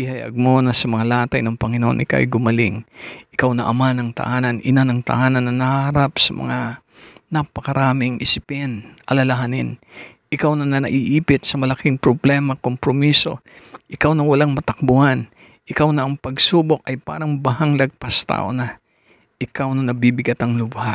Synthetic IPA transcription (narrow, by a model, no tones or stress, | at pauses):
ɪhɐjɐ̰ɡ̚monɐsɐmɐŋalaːt̪ɐjnɐŋpɐŋɪnoʔonʔɪ̰ka̰ʔjɡʊmɐlɪŋʔɪkawnɐʔɐmanɐŋt̪ɐ̰ʔaːnɐnʔɪnanɐŋt̪ɐ̰ʔaːnɐnːɐnɐhɐɾapsɐmɐ̰ŋa | nɐpɐkɐɾaːmɪŋʔɪsɪpɛnʔɐlɐlɐɦanɪn | ʔɪkawnɐnɐnɐʔiʔiːpɪt̪sɐmɐlɐkɪŋpɾoblɛmɐkompɾomiso̞̰ʔɪkawnɐwɐlaŋmɐt̪ɐk̚bʊhan | ʔɪkawnɐʔɐŋpɐɡsuːbok̚ʔɐjpa̰ːɾɐŋbɐɦaŋlɐɡ̚pɐst̪a̰ːʔonɐ | ʔɪkawnɐnɐbibɪɡat̪ɐŋlʊba